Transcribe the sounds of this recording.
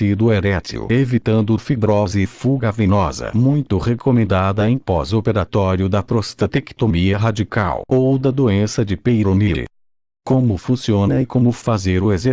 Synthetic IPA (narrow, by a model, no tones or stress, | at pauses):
id̪ʊɛɾɛt̪ḭʊ̰evit̪ɐ̃nd̪ʊfibɾɔzɪfuɡɐvẽnɔzɐ̰mũj̃t̪ʊhekomẽnd̪ad̪ɐẽj̃pɔ̰zopeɾat̪ɔɾiʊd̪ɐpɾost̪at̪eki̥t̪omiɐɦad͡ʒika̰wowd̪ɐd̪oẽsɐd͡ʒɪpejɾoniɾ̰ | kõmʊfũsiõnɐɪkõmʊfazeɾʊeze